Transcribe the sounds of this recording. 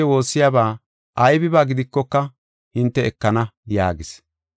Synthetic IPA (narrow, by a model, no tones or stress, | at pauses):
ɛwo̞ːsːɪjaːbaː | ʔɐjbɪbaːɡɪd̪ɪkːɔkːɐ | hɪnt̪ːɛɛkːɐnɐja̰ːɡɪs